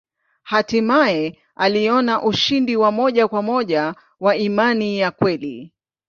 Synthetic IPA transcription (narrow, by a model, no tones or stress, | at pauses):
hatimaɛ | aliɔnaʔuʃindiwamɔʄakwamɔʄa | waimanijakwɛli